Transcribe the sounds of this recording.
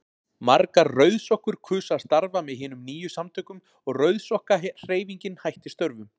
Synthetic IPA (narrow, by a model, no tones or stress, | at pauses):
maɾkaɾrœɥðsɔhkʏɾ̥kʰʏːsaɾ̥st̪aɾvamɛðɦɪːnʏmniːjʏsamt̪ʰœhkʏm | ɔɣrœɥðsɔhkar̥eːjviɲcɪnhajht̪ɪ̥st̪œɾvʏm